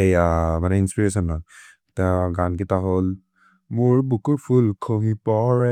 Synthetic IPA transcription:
ejamanɛinspiɹesɔnːɔ | taɡankitaɦol | mʊɹbukuɹpʰulkʰomipɔɹɛ

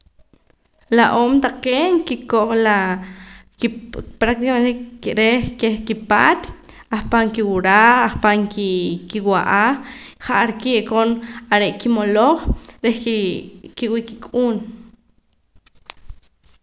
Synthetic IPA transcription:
laʔoːmt̪aqeːŋkikoʔχla | ipɾak̚t̪ikament̪ekiɾehkeχkipaːt̪ | ahpaŋkiwuɾaaχpaŋkikiwaʔaχχaʔaɾkiʔkonaɾeʔkimoloχɾeh | kiwikikʼuːn

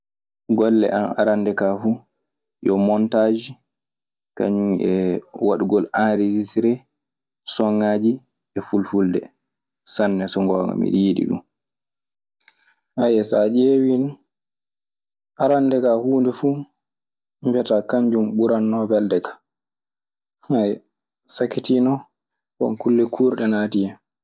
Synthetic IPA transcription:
ɡɔlːɛ̰ʔana̰ɾandɛkafu | jɔmɔntaːd͡ʒi | ka̰ɲuɛwaɗuɡɔlanɾed͡ʒisɾɛ | sɔŋːaːd͡ʒi | ɛfulfuldɛ̰ | sanːɛsɔŋɡɔːŋɡa̰mḭɗijiɗḭɗṵn | ʔajɛsad͡ʒeːwin | ʔaɾandɛkahuːndɛfu | mvɛtakaɲd͡ʒumɓuɾanːɔbɛldɛkḁ | haj | sakitinɔ | kɔ̰nkulːɛkʰuːɾɗɛnadijɛ

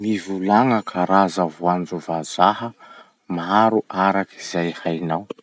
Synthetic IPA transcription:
mivulaŋəkʰaɾazavwand͡ʒuvazahə | maaɾuʔaɾakiz̥ajhajnaw

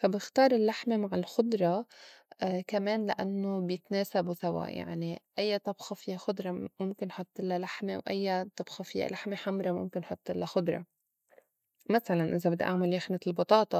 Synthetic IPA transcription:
fabɪxt̪ɑːɾˤɪlːaħmemaʕɪlxʊd̪ˤɾˤɑ | kameːnlaʔa̰nːobjɪt̪neːsabusawa̰ja̰ʕniʔajːat̪ˤɑbxɑfɪjːaxʊd̪ɾˤɑmʊmkɪnħʊt̪ˤːʔɪlːalaħmewʔa̰jːat̪ˤɑbxɑfɪjːa̰laħmeħamɾˤɑmʊ̰mkɪnħʊt̪ˤːʔɪlːaxʊd̪ˤɾˤɑ̰ | masalanʔɪzabɪd̪ːa̰ʔaʕmaljaxnaɪlbɑt̪ˤɑːt̪ˤɑ

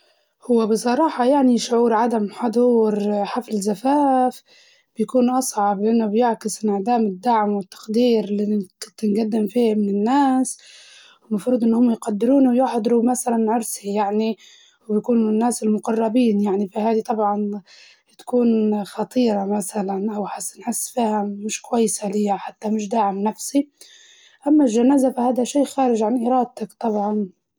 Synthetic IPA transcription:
hʊwːebɪsˤɑɾˤɑːħɑjaʕniʃʊʕuːɾʕad̪amħɑd̪ˤuːɾħaflɪzafaːf | b̥jkuːnʔɑsˤʕɑblɪʔanːʊbjɪʕkɪsnɪʕd̪aːmɪd̪ːaʕmwɪt̪ːɑ̥qd̪iːɾlikɪt̪ːɪnɡad̪ːɪmfiːhmɪnɪnːaːs | wmɑfɾuːd̪ʔɪnːhʊmjqad̪ːɪɾuːnwjʊħd̪ˤɾumasalanʕʊɾsijaʕni | wjakuːnʊnːaːsɪlmʊqɑrˤːɑbiːnjaʕnifihaːd̪it̪ˤɑbʕɑn | t̪ḁkuːnxɑt̪ˤiːɾˤɑmaθalanʔawħasːɪnħɪsːfiːhamɪʃkwajːsalɪjːaħat̪ːamɪʃ̬d̪aːʕɪmnafsi | ʔamːalʒanaːzafahaːd̪aʃiːʔxaːɾɪʒʕanʔɪɾˤɑːd̪̚t̪akt̪ˤɑbʕɑn

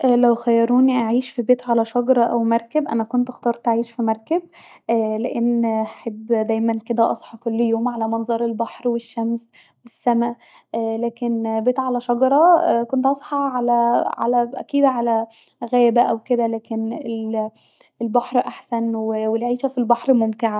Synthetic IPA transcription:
ʔlæwxæjːɑɾˤuːniʔaʕiːʃfibeːt̪ʕalæʃɑɡɑɾˤɑʔæwmɑɾˤkebʔænækont̪ʔɑxt̪ˤɑːɾˤt̪ʔaʕiːʃfimɑɾˤkeb̚ | ʔæleʔenːaħebːd̪æːjmænked̪æʔɑ̰sˤħɑkolːjoːmʕalæmɑnzˤɑɾˤelbɑħɾweʃːæms | wesːæmæ | ʔlæːkenbeːt̪ʕalæʃɑɡɑɾˤɑkont̪ʔɑsˤħɑʕalæʕa̰læʔæ̰kiːd̪ʕalæ | ɣæːbæʔæwked̪ælæːkenel | elbɑħɾʔaħsænwewelʕiːʃæfilbɑħɾmomt̪eʕa

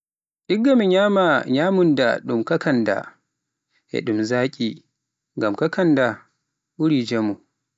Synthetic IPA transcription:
ʔiɡːamiɲaːmaɲaːmunda̰ɗumkakanda̰ | ʔɛ̰ɗumzaːkʲʼi | ŋɡamkakʰanda | ʔuɾid͡ʒemu

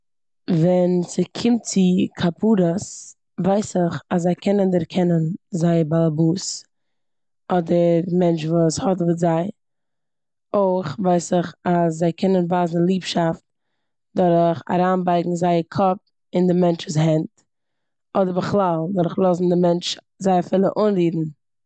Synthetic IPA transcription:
vɛnsɪkʰɪmt̚t͡sɪkʰapʰuːɾəs | vaɪsɪχaszaɪkʰɛnəndəɾkʰɛnənzaɪəbalˠabuːs | ɔdəɾmɛnt͡ʃvuːshɔtvətzaɪ | oɪχvaɪsɪχaszaɪkɛnənvaːzn̩lˠiːpʃaft̚ | dɔɾəχa̰ɾaːnbaɪɡŋ̩zaɪəkʰɔp̚ | ɪndɪmɛnt͡ʃvuːshɛnt | ɔdəɾbəχlˠalˠdɔɾχlˠɔzn̩dɪmɛnt͡ʃ | zaɪafɪlˠəʔʊnɾiːdn̩

